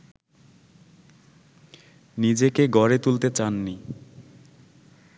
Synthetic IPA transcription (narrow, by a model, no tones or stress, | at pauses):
nid͡ʑekeɡɔɾet̪ult̪et͡ɕanːi